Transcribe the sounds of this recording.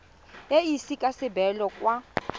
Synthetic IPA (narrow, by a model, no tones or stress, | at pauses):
jeisikʼasɪbɛlɔkʼwa